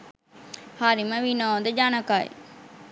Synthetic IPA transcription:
haɾiməʋinɔːd̪əd͡ʒanəkaːḛ

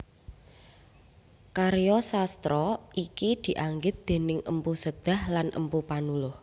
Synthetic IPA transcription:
kaɾjɔsast̪ɾɔʔikid̪̥i̤ʔaŋɡɪt̪̚d̪̥e̤nɪŋə̰mpusəd̪̥a̤hlanʔə̰mpupanulʊh

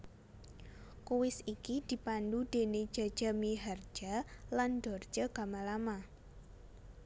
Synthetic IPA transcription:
kuwɪsikid̪̥i̤pandud̥e̤ne̥d͡ʒ̥a̤̥d͡ʒ̥a̤miɦard͡ʒ̥aland̥ɔr̥d͡ʒ̥əkamalama

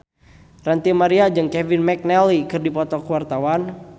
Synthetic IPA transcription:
rant̪imaɾiad͡ʒɨŋkɛvinmɛk̚nɛlikɨrdipɔt̪ɔkuwart̪awan

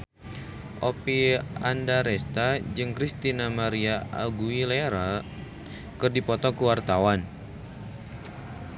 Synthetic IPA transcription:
ʔopiandaɾɛst̪ad͡ʒɨŋkɾist̪inamaɾiaa̰ɡuilɛɾa | kɨrdipɔt̪ɔkuwart̪awan

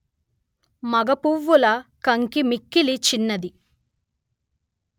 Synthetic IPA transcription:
mɐɡɐpuʋːulɐkɐŋkimikːilit͡ʃinːɐd̪i

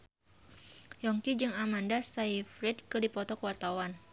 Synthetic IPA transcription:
jɔŋkid͡ʒɨŋamandasaifɾɛt̪̚kədipɔt̪ɔkəwart̪awan

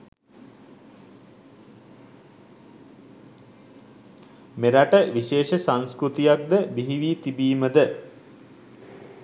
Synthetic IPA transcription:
meɾaʈəʋiʃeːʃəsanskɾut̪ijak̚d̪əbiɦiʋiːt̪ibiːməd̪ə

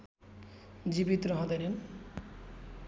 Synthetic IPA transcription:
d͡ʒibit̪ɾɔɦɔ̃d̪eɾen

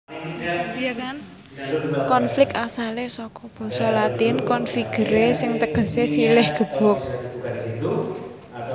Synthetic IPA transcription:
kan | kɔnflɪk̚t̪asalesɔkɔb̥ɔ̤sɔlat̪inkɔnfiɡ̥ə̤ɾesɪŋt̪əɡ̥ə̤sesilɪhɡ̥ə̤b̥ɔ̤k̚

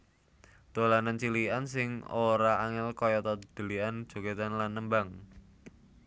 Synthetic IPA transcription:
d̪̥o̤lanant͡ʃiliansɪŋoɾaʔaŋɛlkɔjɔt̪ɔd̪̥ə̤lian̥ʒ̥o̤ket̪anlanːəmbaŋ

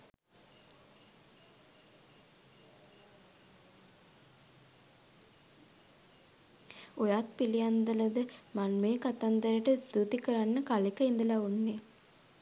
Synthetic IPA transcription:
ojaːt̪̚pilijand̪ələd̪əmanmeːkat̪and̪əɾəʈəst̪ut̪ikəɾanːəkalekəind̪əlaunːe

